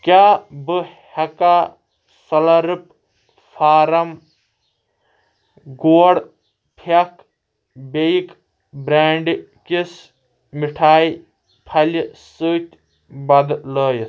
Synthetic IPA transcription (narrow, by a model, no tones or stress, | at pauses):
kʲaːbɨhɐkaː | sɐlɐɾip̚ | fʰaːɾɐm | ɡoːɽ | pʰɐk | beik | bɾaːɳɖ | kis | miʈʰaːj | pʰɐlsɨt̪ʲ | bɐd̪ləːj